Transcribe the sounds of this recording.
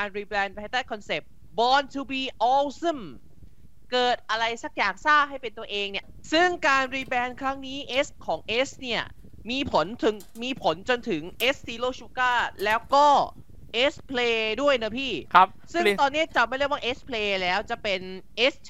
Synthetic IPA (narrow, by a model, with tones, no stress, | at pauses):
aː˧nɾiː˧bɛː˧npʰaː˧˥jt̪aː˥˩jkʰɔ˧nse˨˩p̚ | bɔː˧nt̪ʰu˧biː˧ʔɔː˧wsɯ˥˩m | kɤː˨˩t̪̚ʔa˧ɾa˧jsa˨˩k̚jaː˨˩k̚saː˥˩p̚ɦa˥˩jpe˧nt̪u˧ɐʔeː˧ŋni˥˩ɐ | sɯ˥˩ŋkaː˧nɾiː˧bɛː˧nkʰɾa˦˥ŋniː˦˥ʔe˦˥skʰɔː˩˦ŋʔeː˦˥sni˥˩ɐ | miː˧pʰo˩˦nt̪ʰɯ˨˩˦ŋ | miː˧pʰo˩˦nt͡ɕo˧nt̪ʰɯ˩˦ŋʔeː˦˥ssiː˧loː˥˩t͡ɕu˦˥kaː˥˩lɛː˦˥wkɔː˥˩ | ʔeː˦˥spʰleː˧du˥˩əjnɯ˦˥pʰiː˥˩kʰ | sɯ˥˩ŋt̪ɔː˧nːi˦˥ɐ˨˩t͡ɕa˨˩ma˥˩jɾi˥˩kwaː˥˨ʔe˦˥spʰleː˧lɛː˦˥wt͡ɕa˨˩pe˧nʔe˦˥s